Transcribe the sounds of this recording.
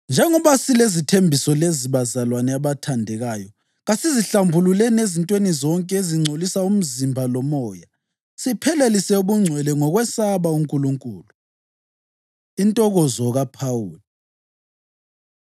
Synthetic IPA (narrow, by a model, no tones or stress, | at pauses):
nd͡ʒʱɛŋɔβasilezitʰembʱisɔleziβazalwanɛaβatʰandʱɛɣajɔ | ɣasiziɬambʱululɛnezintʼwenizɔŋkʼɛeziŋ͡ǀʱolisaum̩zimbʱalɔmɔːja | sipʰɛlelisɛuβuŋ͡ǀʱwɛlɛŋɔɣwɛsaβauŋkʼuluŋkʼuːlu | intʼɔɣɔzɔɣapʰawuːli